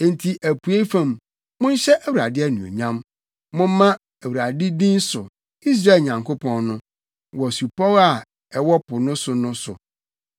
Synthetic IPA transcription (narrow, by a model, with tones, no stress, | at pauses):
ẽ˦n˨tʰi˨ʔæ˨pʰu˨˦e˦fã˦˨m | mʊ̃˦n˦ɕɛ˦ʔæ˦wu˨ɾa̰˨dɪ˦æ˦nũ˨o̰˨ɲã˦m | mʊ̃˦m˦mːã˦ | æ˨wu˨ɾa˨dɪ˦dĩ˦n˦sʊ˨ | i˦s̬ɾa˦˨ɲã˨ŋkʰo˦pʰɔ̃˦nnʊ̃˦ | wɔ˨su˨pɔ˦la˨ | ɛ˨wɔ˦pʰʊ˨nʊ̃˦sʊ˨nʊ̃˦sʊ̰˨